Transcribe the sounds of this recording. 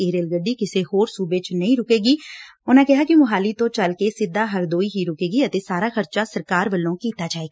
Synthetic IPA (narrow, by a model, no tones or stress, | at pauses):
eːɾeːlɡəɖːikɪsehoːɾsuːbet͡ʃnɐɦĩɾʊkeːɡiːʊnãkɛɦakimʊɦaːlit̪õt͡ʃɐlkesɪd̪ːaɦɐɾd̪oːiɦiɾʊkeːɡiɐt̪esaːɾaxɐɾt͡ʃasɐɾkaːɾʋəlːõkiːt̪ad͡ʒaːeːɡaː